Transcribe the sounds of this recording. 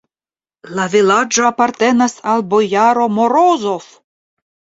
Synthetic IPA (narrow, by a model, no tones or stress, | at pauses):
lavilad͡ʒopaɾt̪e̞nasalbojaɾo̞moɾozof